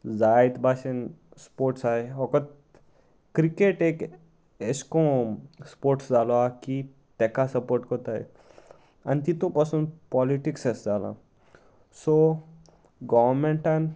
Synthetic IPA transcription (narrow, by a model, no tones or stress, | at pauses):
zajt̪baʃenspoɾʈsajɦɔkɔt̪ | kɾikeʈek | eskõspoɾʈsd͡zaloaki | t̪ɛkasəpoɾʈkɔt̪aj̰ | ant̪it̪ũpəsunpɔliʈiksesd͡zalã̰ | so | ɡɔʋmẽɳʈan